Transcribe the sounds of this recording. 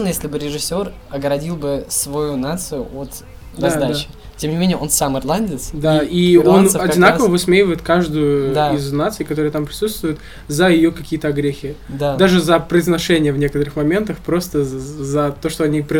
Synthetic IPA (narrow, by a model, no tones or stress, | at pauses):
nəjesʲlʲɪbɨɾʲɪʐɨsʲːo̞r | ɐɡɾɐdʲilˠbɨsvɐjunat̪sɨjʊʔot̪ | d̪zad̪at͡ɕɪ | tʲemnʲɪmʲenʲɪjəo̞nsamɨrlˠanʲdʲɪsd̪aio̞nɐdʲɪnakəvəvɨsmʲejɪvəjɪt̪kaʐd̪ʊjʊd̪aiznat̪sɨjkɐt̪o̞ɾɨjət̪ampɾʲɪ̥sut̪st̪vʊjʊt̪ | zəjɪjokɐkʲijət̪əɐɡɾʲexʲɪd̪ad̪aʐɨzəpɾəɪznɐʂɛnʲɪjəvnʲe̞kət̪əɾɨxmɐmʲe̞nt̪əfpɾo̞st̪əzɐt̪o̞ʂt̪o̞ɐnʲipɾʲ